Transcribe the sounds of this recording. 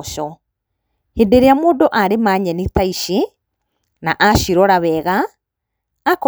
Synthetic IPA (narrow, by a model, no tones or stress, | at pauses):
ʃɔ | hedeɾeamoːndoʔaɾemaɲɛnit̪aiɕi | naʔaɕiɾɔɾaβɛɣaː | k